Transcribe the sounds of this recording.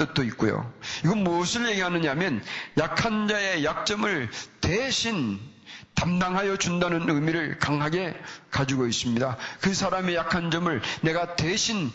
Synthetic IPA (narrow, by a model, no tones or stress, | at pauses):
t͈ɯt̚t͈oit̚k͈ujo̰iɡʌnmosʰɯɭje̞ɡiɦanɯɲamjʌnjakʰand͡ʑae̞jak̚t͡ɕ͈ʌmɯɭteɕʰin | tamdaŋɦajʌd͡ʑundanɯnɯmiɾɯɭkaŋɦaɡe̞kad͡ʑuɡois͈ɯmɲidakɯsʰaɾame̞jakʰand͡ʑʌmɯɭne̞ɡateɕʰin